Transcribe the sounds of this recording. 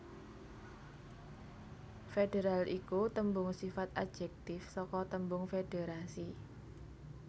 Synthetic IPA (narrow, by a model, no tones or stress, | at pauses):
feɖeɾalʔikut̪əmbʊŋsifat̪a̰d̥ʒ̥ɛk̚t̪ɪfsɔkɔt̪əmbʊŋfeɖ̥eɾasi